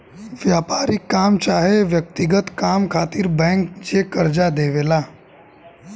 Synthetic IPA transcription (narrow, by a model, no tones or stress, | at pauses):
ʋjaːpaːɾɪkːaːmt͡ʃaːɦeʋjək̚t̪ɪɡət̪kaːmkʰaːt̪iɾbɛ̃ːŋk̚d͡ʒeːkəɾd͡ʒad̪eːʋeːlaː